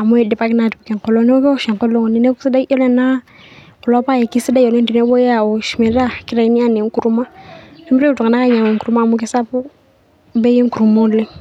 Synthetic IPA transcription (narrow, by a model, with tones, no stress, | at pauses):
a˨mu˦ɛ˨dɛ˨pa˦ki˦na˨ti˨pu˨kɛ˨ŋ˨kɔ˨lɔ˨˦n˦ɔ˦bɛ˦ɔ˦ʃɛ˨ŋkɔ˦lɔ˦ŋ˨ni˨nɛ˦ku˦si˦da˦ɔ˦lɛ˦na˦ | kɔ˨lɔ˦pa˦˨jɛ˨ki˦si˦da˦i˨ɔ˨lɛ˦ndi˨nɛ˦bɔ˦ja˦˨ɔ˨ʃi˨mɛ˨ɾa˦ki˦ɾa˨i˦ni˦a˦˨ne˨ŋ˦ku˨ɾu˦ma˦nɛ˦m˦ɾe˦u˨tu˨ŋa˨na˦ka˦ɲa˨ŋɛ˨ŋku˨ɾu˦ma˦˨mu˦k̬i˦sa˦pɔ˦ | bɛ˦je˦ŋ˦ku˨ɾu˨mɔ˦lɛ˦